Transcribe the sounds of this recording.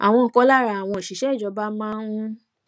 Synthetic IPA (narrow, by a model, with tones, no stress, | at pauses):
a̰˨w̃ɔ̃˧˨kɔ˧˦la˦ɾa˧˦˨a˨w̃ɔ̃˧i˨ʃi˨˦ʃɛ˨˦˨d͡ʒɔ˨˧˦ba˦mãː˦ũ˧